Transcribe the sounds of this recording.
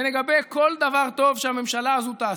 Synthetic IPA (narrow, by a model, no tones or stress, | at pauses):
leɡabejko̞ld̪avaʁt̪o̞vʃeame̞mʃalaːzut̪aː